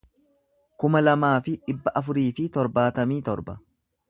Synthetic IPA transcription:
kʊmɐlɐmaːfɪᶑɪbːɐʔɐfʊɾiːfɪt̪ɔɾbaːt̪ɐmiːt̪ɔ̰ɾbɐ

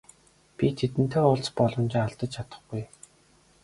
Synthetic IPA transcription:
pʲit̪ʰet̪ɘ̆n̥t̪ʰeːʊɮt͡spɔɮɞ̆mt͡ɕɪŋaɮt̪ə̆t͡ɕt͡ɕʰat̪ə̆χɡuj

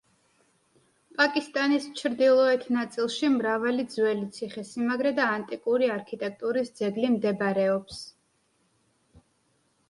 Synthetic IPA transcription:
pʼakʼist̪ʼanist͡ʃʰɾd̪ilˠɔɛt̪ʰnat̪sʼilˠʃimɾavalid̪zwɛlit̪sʰiχɛsimaɡɾɛd̪aːnt̪ʼikʼuɾiaɾkʰit̪ʼɛk̚ʰt̪ʼuɾisd̪zɛɡlimd̪ɛbɾɛɔps

